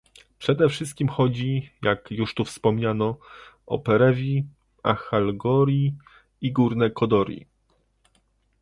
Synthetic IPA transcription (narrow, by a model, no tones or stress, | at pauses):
pʂɛd̪ɛfʂɘst̪kʲimxɔd͡ʑijakjuʂt̪ufspɔmɲanɔ | ɔ̰pɛɾɛvʲi | axalɡɔɾʲji | iɡuɾnɛkɔd̪ɔɾʲjḭ